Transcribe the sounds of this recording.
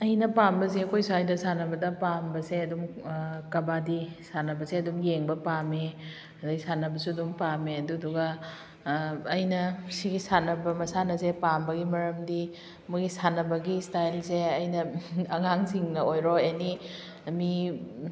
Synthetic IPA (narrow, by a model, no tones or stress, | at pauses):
ɐjnɐpambɐs̬iɐkʰojsuajdɐsanɐbɐdɐpambɐseɐdumkɐbadisanɐbɐseɐdumjeŋbɐpame | ɐdɐɡisanɐbɐsuɐdumpameɐduɐduɡɐ | jnɐsiɡisanɐbɐmɐsanɐsepambɐɡimɐɾɐmdi | muɡisanɐbɐɡistajlseɐjnɐɐŋaŋsiŋnɐojɾoeni | mi